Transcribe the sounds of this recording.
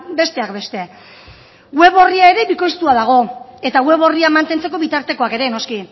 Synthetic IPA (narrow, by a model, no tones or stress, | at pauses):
be̞st̪e̞akbe̞st̪e̞ | ɡwe̞βo̞riae̞ɾe̞βiko̞jst̪uað̞aɣ̞o̞e̞t̪aɣwe̞βo̞riamant̪e̞nt͡se̞ko̞βit̪aɾt̪e̞ko̞ake̞ɾe̞no̞ski